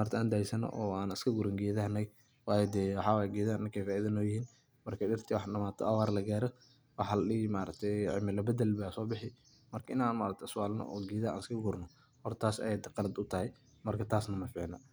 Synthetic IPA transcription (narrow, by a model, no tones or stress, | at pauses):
maːɾt̪ʰaːnd̪aːjsɐnɔ̰ʔɔːaːnɪskʰɐɡʊɾɪŋɡiːðɐhnɛj | wɑːjɛd̪ɛːwɑħɑːwaːjɛɡiːðaːnnɪŋkʰɛjfaːʔiðɐnɔːjɪhiːn | mɐrkʰɐɗɪrt̪ʰiwɑħɗɐmaːt̪ʰɔ̰ɐwaːɾlɐɡaːɾɔ | wɑħɑlɗɪmaːɾɐ̰ɡ̚t̪ʰɛʕɪ̰mɪlɐbɐd̪ɐlbaːsɔːbɪħɪ | mɐrkʰɐɪnaːnmaːɾɐt̪ʰɛswaːlnɔ̰ʔɔːɡiːðaʔa̰ːnɪskʰɐɡʊɾnɔ | hɔrt̪ʰaːsɐ̰jɛd̪ɛqɑlɐd̪ʊt̪ʰɐhɛ | mɐrkʰɐt̪ʰaːsnɐmɐfɪʕnɐ̰